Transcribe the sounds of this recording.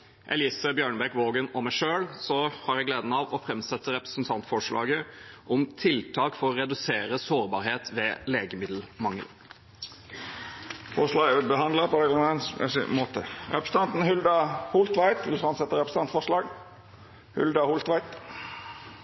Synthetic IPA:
ʔɛ̰liːsəbjøːɳəbɛkʋoːɡənɔmæɪʂøːlsɔhɑɾjæɪɡleːd̪n̩ɑʋɔfɾɛmsɛt̪ːəɾɛpɾə̥snt̪ʰɑnt̪fɔʂɭɑ̰ːɡəʔɔmt̪ʰɪlt̪ʰɑːkfɔɾɔɾɛd̪ʉseːɾəsoːɾbɑːɾheːt̪ʋɛːleːɡəmɪd̪l̩mɑŋːə̰l | fɔʂlɑːɡʉt̪̚bəɦɑnd̪ləpɔd̪ɛlɛnssmoːt̪əɾɛpɾəs̩t̪ɑnt̪n̩hʉld̪ɑhʊlt̪ʋæɪt̪ʋɪlfɾɛmsɛt̪ːəɾɛpɾəs̩ʰɑnt̪fɔʂɭɑːɡ | hʉ̰ld̪ɑhʊlt̪ʋæɪt̪

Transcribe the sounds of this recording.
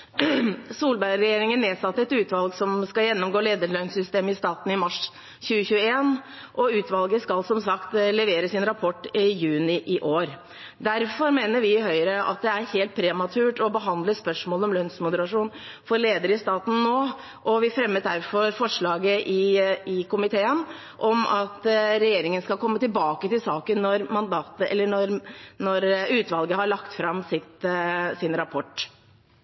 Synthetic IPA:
suːlbæɾɛjeːɾɪŋənːeːsɑt̪ːəɛt̪ʉːt̪ʋɑlɡsɔmskɑjɛnːɔmɡoːleːd̪əlœnsʏst̪eːmɪst̪ɑːt̪n̩ɪmɑʂ | çʉːəɕʉːəeːn | ʔɔʉːt̪ʋɑlɡəskɑlsɔmsɑkt̪lɛʋeːɾəsɪnɾɑpʰɔʈːɪjʉːnɪʔɪʔoːɾ | d̪æɾfɔɾmeːnəɾʋɪhœʏɾəʔɑ̰t̪̚d̪ɛæɾheːlt̪̚pʰɾɛmɑt̪ʰʉːʈɔbəɦɑnd̪ləspœʂmoːlɔmlœnsmʊd̪əɾɑʂuːn | fɔɾɭeːd̪əɾɪst̪ɑːt̪n̩noː | ʔɔʋɪfɾɛmːət̪̚d̪æɾfɔɾfɔʂɭɑːɡəʔɪɪkʊmɪt̪ʰeːən | ʔɔmɑt̪ɾɛjeːɾɪŋənskɑlkʰɔmːət̪ɪlbɑːkət̪ɪlsɑːkənːɔɾmɑnd̪ɑːt̪əɛ̰lːəɳɔɾnɔɾʉːt̪ʋɑlɡəhɑɭɑkt̪fɾɑmsɪt̪sɪnɾɑpʰɔʈː

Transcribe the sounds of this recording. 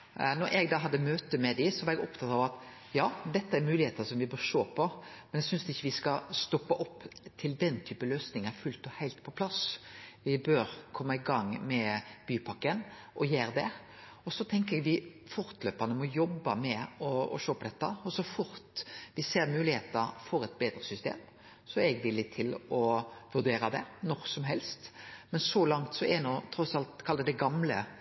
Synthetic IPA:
nɔɾʔɛɡd̪ɑːɦɑd̪ːəmøːt̪əmɛd̪ɪsɔʋɑːɾɛɡɔpt̪ʰɑt̪ɑːʋɑt̪ | jɑːd̪ɛt̪ːəæɾmʉːlɪheːt̪ənsɔmʋɪbøːɾʂoːpʰɔmɛnɛɡsʏnsd̪ʉɪçːəʋɪskɑst̪ɔpːɑʔɔpːt̪ʰɪld̪ɛnt̪ʰyːpəløːsnɪŋæɾfʉlt̪ɔhæɪlt̪pʰɔpʰlɑsʋɪbøːɾkʰɔmːɑɪɡɑŋmɛb̥yːpʰɑkːənʔɔjeːɾd̪ɛ | ɔsɔt̪ʰɛŋkəɛɡʋɪfʊɾt̪løːpɑnəmɔjɔbːɑmɛɔɔ̰ʃoːpʰɔd̪ɛt̪ːɑɔsɔfʊɾt̪ʋɪseːɾmʉːlɪheːt̪ɑɾfɔɾɛt̪beːd̪ɾəsʏst̪ḛːm | sɔɛɾɛɡʋɪlːɪt̪ʰɪlɔʋʉʁd̪eːɾɑd̪ɛnɔɾsɔmɦɛlst̪mɛnsɔlɑŋt̪sɔɛnɔt̪ʰɾɔsɑlt̪kʰɑlːəd̪ɛɡɑmlə

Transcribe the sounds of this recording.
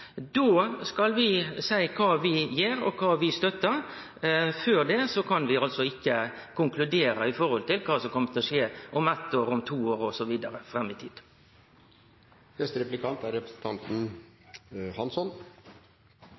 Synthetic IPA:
d̪oːskɑlʋɪsæɪkʰɑːʋɪjeːɾɔ̰kʰɑːʋɪst̪œt̪ːəɾ | føːɾd̪ɛsɔkʰɑnʋɪɑlt̪sɔɪkːə | kʰʊŋklʉd̪eːɾɑɪfɔɾhɔlt̪ɪlkʰɑːsɔmkʰɔmːət̪ʰɛɔʂeːʔɔmæt̪ːoːɾʊmt̪ʰuːoːɾɔsɔʋiːd̪əɾəfɾɛmːɪt̪ʰiːd̪̥ | nɛst̪əɾɛplɪkʰɑnt̪æɾɛpɾəsn̩t̪ʰɑnt̪n̩ | hɑnsɔn

